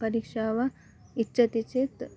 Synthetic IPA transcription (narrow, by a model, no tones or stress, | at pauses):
pɐɾiːkʂaːʋɐ | itːt͡ʃɐt̪it͡ʃet̪